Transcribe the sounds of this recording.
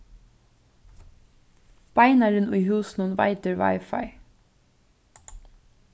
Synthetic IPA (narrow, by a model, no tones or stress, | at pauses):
b̥aɪnaɹɪnʊjɦuːsnʊnva̰ɪt̪əɹva̰ɪfaɪ